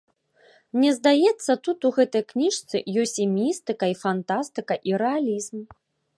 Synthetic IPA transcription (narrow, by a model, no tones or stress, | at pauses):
nʲɛzd̪ajɛt̪sːɐt̪ut̪uɣɛt̪ɐjknʲiʂt̪sɨ̰jɔsʲt͡sʲimʲist̪ɨkɐifant̪ast̪ɨkɐʔiɾɛalʲizm